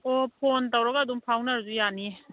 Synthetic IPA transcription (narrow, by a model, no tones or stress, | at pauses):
opʰontawɾaɡaːdumpʰawnaɾzujani